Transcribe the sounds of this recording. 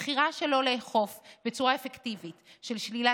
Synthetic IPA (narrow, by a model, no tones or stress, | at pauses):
χiʁaʃe̞lo̞leːχo̞fbet͡suʁaefektivitʃe̞lʃlila